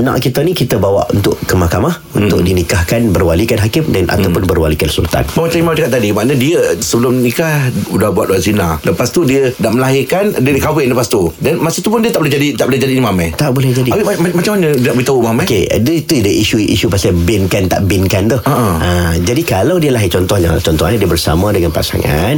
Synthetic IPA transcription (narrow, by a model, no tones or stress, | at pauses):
nã̰ʔkit̪anĩkit̪əbawa̰ʔṵnt̪ʊʔkəmakamahunʊ̰kʔ̚dinikahkanbərwalikanɦakɪmdanʔa̰t̪awpʊnbərwalikansṵlt̪a̰nməmat͡ʃamimamad͡ʒakat̪̚ːadimaʔnadiəsəbəlʊmnĩkahudahbuat̪̚waʔzinãləpast̪udiədaʔməlaɦɪkandiədikawɪnləpast̪udanmasut̪upʊndiət̪aʔbolɛd͡ʒadit̪aʔbolɛɦd͡ʒadiːnimamajt̪aʔbolɛhd͡ʒadiawiamamat͡ʃamaɲədiənaʔbolɛt̪aumamãkḛdəit̪udəʔiʃuʔḭʃupasabɪnkant̪a̰ʔbɪnkant̪uhaʔaəd͡ʒadikalawdiəlaɦɪt͡ʃɔnt̪ɔhja̰ŋt͡ʃɔnt̪ɔadiəbərsa̰mãdəŋanpa̰sa̰ŋa̰n